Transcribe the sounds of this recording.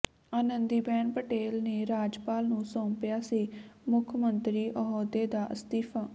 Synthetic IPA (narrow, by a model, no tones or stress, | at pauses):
aːnənd̪iːbɛːnpəʈeːlneːɾaːd͡ʒpaːlnũːsɔ̃ːmpjaːsiːmʊkʰmənt̪ɾiːʔəɦɔːd̪eːd̪aːʔəst̪iːpʰaː